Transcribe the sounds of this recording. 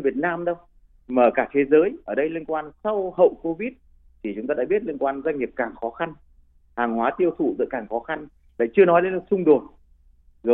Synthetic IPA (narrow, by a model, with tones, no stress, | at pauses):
vi˨˩ət̚naː˧mɗə˧w | maː˨˩kaː˧˩t̪ʰe˨˦zəː˨˦jʔəː˨˩ɗə˧jli˧nkwaː˧nsa˧whə̰˧˨wko˧vi˦˥t̚ | t̪ʰi˨˩t͡ɕʊ˨˦ŋ͡mt̪aː˧ɗa̰ː˧ɓi˦˥t̚li˧nkwaː˧nza˧jŋ̟ŋi˨˩əp̚kaː˨˩ŋxɔ˨˦xa˧n | haː˨˩ŋhwaː˨˦t̪i˧əwt̪ʰṵ˧˨zɨ̰˧˨jkaː˨˩ŋxɔ˨˦xa˧n | la̰ː˧˨jt͡ɕɨ˧ənɔ˨˦jɗe˧˨˦nlə˨˩sʊ˧ŋ͡mɗo˨˩t̚ | zo˨